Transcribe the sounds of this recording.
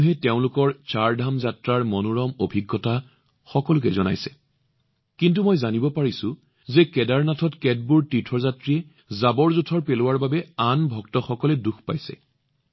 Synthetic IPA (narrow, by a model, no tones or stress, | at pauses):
ɦɛteʊ̃lʊkɔɹt͡ʃaɹdʱamzatɹaɹmɔnuɹɔmobʱiɡːɔta | xɔkɔlʊkɛzɔna̰jsɛ | kint̬umɔjzanibɔpaɹisʊ̃ | zɛkɛdaɹnatʰɔtkɛd̚buɹtitʰɹɔzatɹiɛ | zabɔɹzutʰɔɹpelʊwaɹbabɛanbʱɔktɔxɔkɔlɛduxpa̰jsɛ̰